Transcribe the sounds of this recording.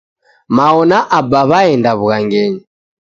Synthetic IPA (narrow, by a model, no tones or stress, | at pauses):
maɔnaʔabaβaɛndaβuɣaŋɡɛɲi